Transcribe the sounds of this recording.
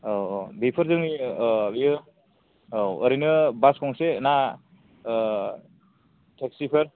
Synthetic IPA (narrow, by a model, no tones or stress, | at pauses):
bepʰɯɾzɯŋibijɯ | ɾinɯbaskɔŋsena | tʰeksipʰɯɾ